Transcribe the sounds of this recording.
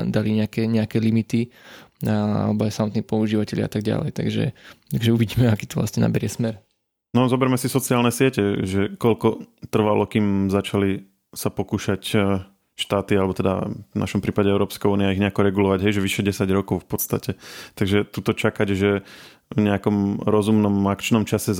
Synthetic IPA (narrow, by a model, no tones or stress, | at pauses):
d̪aliɲɛakɛɲɛakɛlimit̪iaa̰lɛbɔajsamɔt̪niːpɔuʒiːʋacɛʎɪa̰a̰t̪aɡ̚ɟa̰lɛ̰jt̪a̰ɡʒɛ̰t̪aɡʒɛuʋiɟiːmɛakiːt̪ɔʋla̰sɲɛna̰bɛɾɪɛsmɛɾ | nɔzɔbɛɾmɛsisɔt͡siaːlnɛsɪɛcɛʒɛkɔlkɔt̪r̩ʋalɔkiːmzat͡ʃali | sapɔkuːʃac | ʃt̪aːt̪ialɛbɔt̪ɛd̪a̰na̰ʃɔmpɾiːpaɟɛɛʊɾɔːpskauːniaaiɣɲɛakɔɾɛɡulɔʋaɟɦɛjʒɛʋiʃɛɟɛsaɟɾɔkɔʊfpɔt̪st̪acɛt̪aɡʒɛt̪uːt̪ɔt͡ʃakaɟʒɛ | vɲɛakɔmɾɔzumnɔmakt͡ʃnɔmt͡ʃasɛ